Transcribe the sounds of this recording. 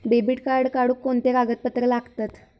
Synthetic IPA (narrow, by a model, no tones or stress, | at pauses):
bebiʈkaɾɽkaɽuːkːoɳt̪eɾaɡət̪̚pət̪ɾəlaɡt̪at̪